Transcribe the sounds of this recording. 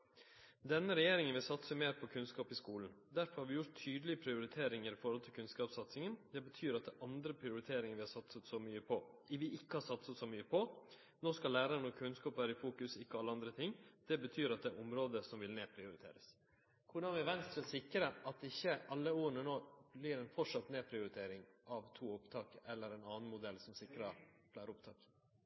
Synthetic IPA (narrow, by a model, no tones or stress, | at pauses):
d̪ɛnːəɾɛjeːɾɪŋənʋɪlsɑt̪səmeːɾpʰɔkʰʉnskɑːpɪskuːln̩ | d̪æɾfɔɾhɑɾʋɪjʊɾt̪ʰːyːd̪əlɪəpʰɾɪʊɾɪt̪ʰeːɾɪŋəɾɪfɔɾhɔlt̪ʰɪlkʰʉnskɑːpsɑt̪sɪŋənd̪ɛbət̪ʰyːɾɑt̪̚d̪ɛʔɑnd̪ɾəpʰɾɪʊɾɪt̪ʰeːɾɪŋənʋɪhɑɾʂsɑt̪sət̪sɔmyːəpʰɔ | ʋɪʔɪkːəhɑsɑt̪səsɔmyːəpʰɔ | noːskɑlæːɾəɾənɔɾkʰʉnskɑːpæːɾɪfuːkʉsɪkːəɔɑlːəɑnd̪ɾət̪ʰɪŋːd̪̥ɛbət̪ʰyːɾɑt̪̚d̪ɛʔɔmɾoːd̪əsɔmʋɪlneːpʰɾɪʊɾɪt̪ʰḛːɾəs | kʰʊɖɑnʋɪʋɛnst̪ssɪkːɾəʔɑt̪̚ɪçːəʔɑlːəuːɾəɳənoːblɪɾɛnfɔʂɑt̪neːpʰɾɪʊɾɪt̪ʰeːɾɪŋʔɑʋt̪ʰuːʊpt̪ʰɑːkɛlːəɾɛnɑːn̩mʊd̪ɛlːsɔmsɪkɾɑplæːɾəʊpt̪ʰɑ̰ːk